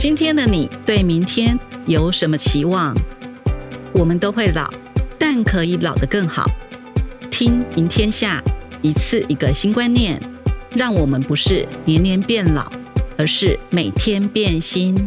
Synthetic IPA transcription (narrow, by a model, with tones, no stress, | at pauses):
t͡ɕi˥nt̪ʰjɛ˥nd̪ə˨ni˨˩t̪we˥˩ɪmi˧˥ŋt̪ʰjɛ˥njo˧˥ʊʂə˧˥nmə˧t͡ɕʰi˧˥wɑ˥˩ŋ | wɔ˨˩mə˦nt̪o˥ʊxwe˥˩ɪlɑ̰˨˩˦ʊt̪a˥˩nkʰɤ˧˥i˧˥lɑ˨˩ʊd̪ə˦kɤ˥˩ŋxɑ̰˨˩˦ʊ | t̪ʰi˥ŋmi˧˥ŋt̪ʰjɛ˥nɕja˥˩i˧˥t͡sʰɹ̩˥˩ʔi˧˥ɡə˧ɕi˥nkwa˥nnjɛ˥˨˩nɻɑ˥˩ŋwɔ˨˩mə˦npu˧˥ʂɻ̩˥˩njɛ˧˥njɛ˧˥npjɛ˥˩nlɑ̰˨˩˦ʊə˧˥ʂɻ̩˥˩me˨˩ɪt̪ʰjɛ˥npjɛ˥˩nɕi˥n